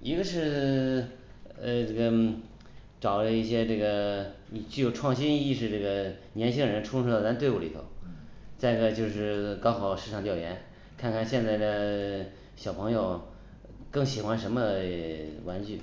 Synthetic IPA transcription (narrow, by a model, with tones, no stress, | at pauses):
i˧˥ɡə˧ʂɻ̩˥˧ | ʈ͡ʂɤ˥˩ɡə˩ | ʈ͡ʂɑ˨˩ʊlə˦i˥˩ɕjɛ˥ʈ͡ʂɤ˥˩ɡə˩ni˨˩t͡ɕy˥˩jo˨˩ʊʈ͡ʂʰwɑ˥˩ŋɕi˥ni˥˧ʂɻ̩˥˧ʈ͡ʂɤ˥˩ɡə˩njɛ˧˥nt͡ɕʰi˥ŋd̪ə˨ɻə˧˥nʈ͡ʂʰʊ˥ŋʂu˥˧d̪t̪a˥˧˥t̪wu˥˩li˨˩t̪ʰo̰˧˩ʊ | t͡sa˥˩ɪ˧ɡə˧t͡ɕjo˥˧ʊʂɻ̩˥˩kɑ˥ʊxɑ˨˩ʊʂɻ̩˥˧ʈ͡ʂʰɑ˨˩ŋt̪jɑ˥˩ʊjɛ˧˥n | kʰa˥˩˧nkʰa˨˩nɕjɛ˥˧nt͡sa˥˩ɪd̪ə˩ | ɕjɑ˨˩pʰɤ˧˥ŋjo˧ʊ | kɤ˥˩ŋɕi˨˩xwa˧˥nʂə˧˥nmə˧ | wa˧˥nt͡ɕy˥˩